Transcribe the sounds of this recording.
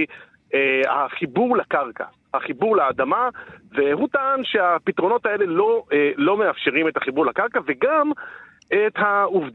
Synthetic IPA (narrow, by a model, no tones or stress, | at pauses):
eha̰χibuʁlakaʁka̰ | haχibuʁlaːd̪amavehutaːnʃe̞apitʁo̞no̞t̪ae̞le̞lo̞elo̞me̞afʃeʁime̞taχibuʁlakaʁkaveɡam | ethauvd